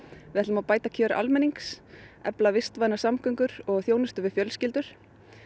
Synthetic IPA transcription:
vɪðɛt̪ʏmawpaːjt̪acʰœːɾʔa̰lmɛniŋksɛ̰plavɪst̪vajnasamkʰœŋkʏɾɔɣθjoːwnɪst̪ʏvɪfjœlscɪlt̪ʏɾ̥

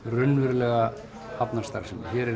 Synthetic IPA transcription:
rʏnvʏɾlɛːɣa | apnarst̪a̰ɾ̥sɛmçɛɾɛ

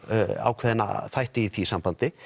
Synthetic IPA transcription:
a̰ːwkʰvɛːðɪna̰θajht̪ɪiθisampant̪ɪ

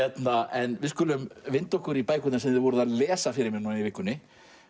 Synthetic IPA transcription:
ɛt̪naɛnvɪðskʏːlʏmvɪnt̪owhkʏɾipaːjkʏt̪nasɛmðɪðvɔːɾʏðaðlɛːsafɪɾɪɾmɪɾnuaivɪhkːʏnːɪ

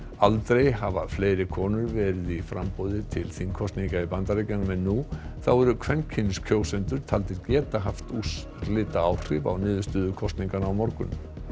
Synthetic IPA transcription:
alt̪ɾejɦavafleːjɾɪkʰɔːnʏɾvɛːɾɪðifɾampɔwðɪt̪ʰɪlθinkʰɔst̪niŋkaipant̪aɾejcanmɛnːuθawɛɾʏkʰvɛncʰɪnskʰjoːwsɛnt̪ʏɾ̥t̪ʰalt̪ɪɾcɛːt̪aɦaft̪us | lɪːt̪aawr̥ɪva̰wnɪːðʏst̪ʏːðʏkʰɔst̪niŋkanawmɔɾkʏnʏ

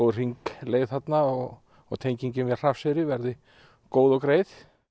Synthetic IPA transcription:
owr̥iŋkleːjðθat̪naɔɣ | ɔ̰ɣt̪ʰejɲciɲcɪmvɛr̥afsɪɾɪvɛɾðɪ | koːwðɔkɾeːjθ

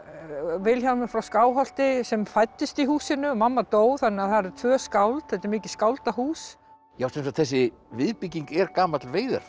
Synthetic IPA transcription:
vɪlçawmɪfɾawskaːwɦal̥t̪ɪsɛmfajt̪ːɪst̪iɦuːsɪnʏmamːat̪oːwθanːɪaθaɾɛɾt̪ʰvœːskawlt̪θɛt̪ɪɾmɪːcɪ̥skawlt̪aɦuːs | jawsɛns̬at̪θɛs̬ːɪ | vɪðpiciŋkɛɾkaːmat̪ɪlveːjða̰ɾ̥

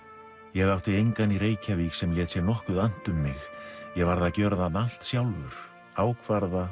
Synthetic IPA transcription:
jɛɣawht̪ɪejŋkanirɾeːjcʰaviksɛmjɛsɛnɔhkʏðan̥t̪ʏmːɪxjɛɣvaɾðaðcœɾðanal̥t̪sjawlvʏɾ̥ | aːwkʰvaɾða

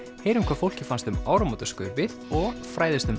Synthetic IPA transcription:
heːjɾʏmkʰvaɾfowl̥cɪfanst̪ʏmaːwɾamɔt̪ḁskœɾvɪðɔɣfɾaːjðɪst̪ʏm

